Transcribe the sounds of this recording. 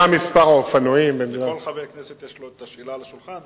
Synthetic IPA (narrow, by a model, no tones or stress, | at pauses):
amispaʁaofanoimbenlalavejakneset̪jaʃluet̪aʃilalaʃulχan